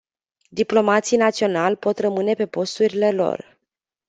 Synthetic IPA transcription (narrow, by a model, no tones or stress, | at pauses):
d̪iplo̞mat̪sijnat̪sio̞nalʲpo̞t̪rəmɨne̞pe̞po̞st̪uɾile̞lo̞̰r